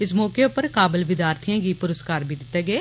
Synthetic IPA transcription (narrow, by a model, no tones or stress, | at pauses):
ɪsmɔːkeʊpəɾkaːbɪlʋɪd̪jaːɾt̪ʰijãːɡiːpʊɾəskaːɾbʱiːd̪ɪt̪ːeːɡeː